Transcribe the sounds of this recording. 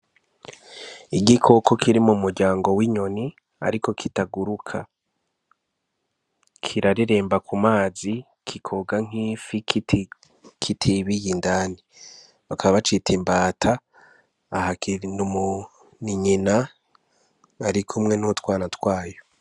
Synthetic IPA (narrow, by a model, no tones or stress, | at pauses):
iɟikʰo̞kʰo̞kiɾimumuɾɟaːŋɡo̞wiɲo̞ni | a̰ɾiko̞kʰitaɡuɾukʰa̰ | kʰiɾaɾiɾe̞ːmbakumaːzi | kʰikʰo̞ɡaŋ̥ɦiːfik | kʰitʰiβijindaːni | βakʰaβaβat͡ʃitʰimbaːtʰa | ahakinumu | niɲina | ɾikʰumŋe̞nutwaːnatwaːjo